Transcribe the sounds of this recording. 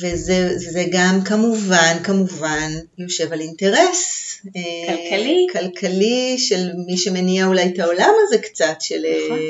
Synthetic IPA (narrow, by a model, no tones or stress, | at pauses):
vezezeɡamkamuvankamuvanjo̞ʃe̞valinte̞ʁeseklkalikalkʰaliʃe̞lmiʃemeniaulajtao̞lamazekt͡satʃele